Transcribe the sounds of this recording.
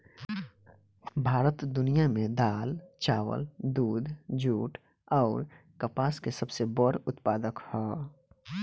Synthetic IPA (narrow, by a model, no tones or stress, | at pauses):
bʱaːɾət̪d̪ʊnijamẽd̪aːlt͡ʃaːwə̰ld̪uːd̪ʱd͡ʒuːʈ | ɔːɾ | kəpaːskesəbsebɔɾʊt̪paːd̪əkhɔː